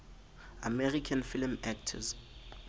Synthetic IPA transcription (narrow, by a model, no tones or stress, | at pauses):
amɛrikʰanfilmɛk̚tʰɔ̰z